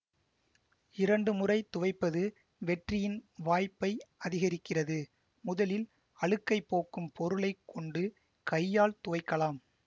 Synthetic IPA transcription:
ɪɾɐɳɖɯmʊrɐɪt̪ʊʋɐɪpːɐðɯ | ʋɛʈrɪjɪnʋaːjpːɐɪɐðɪɣɐɾɪkːɪrɐðɯ | mʊðɐlɪl | ɐɭɯkːɐɪpːoːkɯmpʰɔɾɯɭɐɪkʰːɔɳɖɯ | kɐjːaːlt̪ʊʋɐɪkːɐlaːm

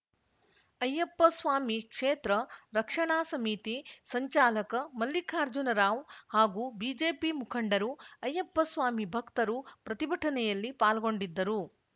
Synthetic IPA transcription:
ɐjɐpːɐsʋaːmikʂeːt̪ɾɐɾɐkʂɐɳaːsɐmit̪isɐɲt͡ʃaːlɐkɐmɐlːikʰaːɾd͡ʒunɐɾaːʋhaːɡuːbiːd͡ʒeːpimukʰɐɳɖɐɾuɐjːɐpːɐsʋaːmibʱɐkt̪ɐɾupɾɐt̪ibʱɐʈʰɐnɛjɐlːipaːlɡo̞ɳɖid̪ːɐɾu

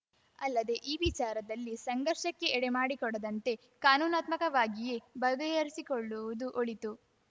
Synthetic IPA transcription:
ɐlːɐd̪e̞ʔiːʋit͡ʃaːɾɐd̪ɐlːisɐŋɡɐɾʂɐkːe̞ɛɽemaːɽikɔɽɐd̪ɐnt̪e̞ | kaːnuːnaːt̪mɐkɐʋaːɡije̞bɐɡɐjɐɾisikoɭːuʋud̪uʔoɭit̪u

